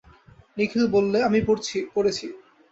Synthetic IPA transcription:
nikʰilbolːeamipoɾt͡ɕʰipoɾet͡ɕʰi

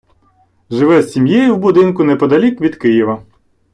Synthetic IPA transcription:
ʒɪʋɛzʲsʲimjejʊwbʊd̪ɪnkʊnɛpɔd̪ɐlʲikʋʲid̪kɪjiʋɐ

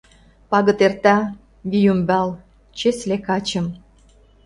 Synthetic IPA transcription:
pɑɣə̆t̪ert̪ɑ | βijumbæl | t͡ɕeslekɑt͡ɕə̆m

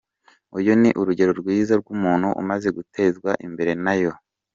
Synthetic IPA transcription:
ujoniʔuɾuɟe̞ɾo̞ɾɡwiːzaɾɡumuːnhuʔṵmaze̞ɡutʰe̞ːzɡwaʔimbe̞ɾe̞najo̞

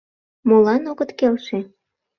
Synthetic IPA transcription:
molɑnoɣət̪kelʃe

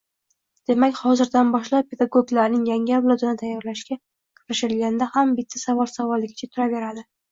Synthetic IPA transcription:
d̪̥e̞makʲhɒzɪɾd̪anbɒʃlap̚pʰe̞d̪aɡoɡlaɾnɪŋjaŋʲɪawlˠɒd̪ɪnɪt̪ʰajːɒɾlaʃɡʲa | qʰʊɾɪʃɪɪlɡʲand̪ahambɪt̪ʰːasavɒlˠsavɒlˠːɪɡʲɪ̥t͡ʃʰat̪ʰʊɾave̞ɾad̪ɪ

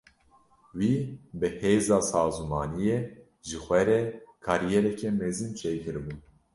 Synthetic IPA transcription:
wiːbɨheːzɑːsɑːzumɑːnijeː | ʒɨxʷɛɾɛkʰɑːɾijɛɾɛkʰɛmezɨnt͡ʃʰeːjkʰɨɾbun

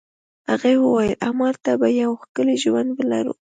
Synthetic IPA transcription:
aɣewəwajlʔamɑɾt̪abajawxkəleʒwand̪wəla̰ɾṵ

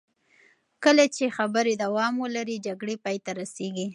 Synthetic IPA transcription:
kəlat͡ʃexabəɾed̪awɑmwəlaɾid͡ʒaɡɽepɑjt̪aɾaseɡi

